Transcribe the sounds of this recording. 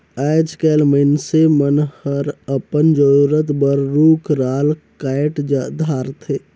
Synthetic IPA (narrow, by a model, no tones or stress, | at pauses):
ad͡ʒkɛːlməɪnsemənhəɾəpənd͡ʒəɾuɾət̪bəɾɾuːkɾaːlkaːjʈd̪ʱaːɾt̪ʰeː